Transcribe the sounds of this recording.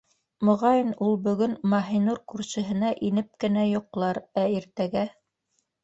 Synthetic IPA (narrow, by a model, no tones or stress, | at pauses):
mŏʁɑjɤnulˠbɵ̆ɡɵnmɑɦinuɾkʉɾʃɘ̆ɦɘ̆næʔinɘp̚kɘ̆næjŏqlˠɑɾæiɾt̪æɡæ